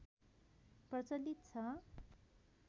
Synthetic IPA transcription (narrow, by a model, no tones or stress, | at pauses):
prʌt͡sʌlːit̪̚t͡sʰʌ